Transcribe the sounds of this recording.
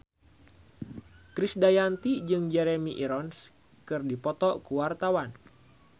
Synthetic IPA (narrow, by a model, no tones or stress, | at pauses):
kɾisdajant̪id͡ʒɨŋd͡ʒɛɾemiʔiɾɔns | kɨrdipɔt̪ɔkuwart̪awan